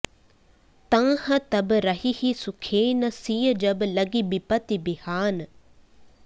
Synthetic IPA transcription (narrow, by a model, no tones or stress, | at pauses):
t̪ɐ̃ːhət̪ɐbɾɐɦihisʊkʰeːnɐsiːəd͡ʒɐblɐɡibipɐt̪ibɪhaːn